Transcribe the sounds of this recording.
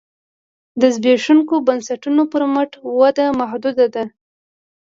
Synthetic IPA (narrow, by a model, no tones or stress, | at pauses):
d̪əzbeʂuŋkobansaʈunopəɾməʈwad̪amahd̪ud̪ad̪a